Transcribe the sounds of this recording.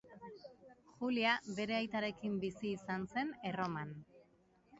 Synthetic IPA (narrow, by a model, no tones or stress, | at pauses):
xuliabe̞ɾe̞ajt̪aɾe̞kimbisiːsanse̞ne̞ro̞man